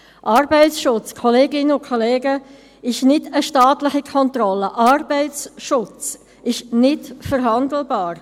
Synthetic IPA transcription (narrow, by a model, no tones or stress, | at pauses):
ʔɑɾbɛɪt͡sʃʊt͡skʰɔleːɡɪnəʊkʰɔleːɡə | ɪʃnɪdəʃtɑːtlɪχikʰɔntɾɔlːəʔɑrb̥ɛɪt͡sʃʊt͡s | ɪʃnɪtfəɾɦɑndl̩bɑːɾ